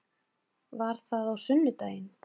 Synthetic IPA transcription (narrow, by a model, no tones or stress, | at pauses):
vaɾ̥θaðawsʏnːʏt̪aːjɪn